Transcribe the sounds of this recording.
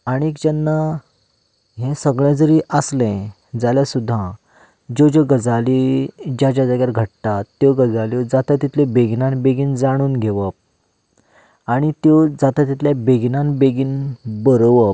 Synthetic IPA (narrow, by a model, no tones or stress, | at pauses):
aɽ̃iekd͡ʑanːa | ɦɛ̃səɡɭjɛ̃d͡zəɾiːʔəslɛ̃ | d͡zaljasud̪ʱːã | d͡ʑod͡ʑoɡəd͡zalid͡ʑjad͡ʑad͡zaɡjaɾɡʱəʈ̚t̪at̪ːjoɡəd͡zalod͡zat̪at̪it̪lẽbeɡnãnbeɡiːnd͡zaɽ̃uːnɡʱeʋəp̚ | aɽ̃it̪jɔd͡zat̪at̪it̪ljabeɡnãnbeɡiːnbəɾʋəp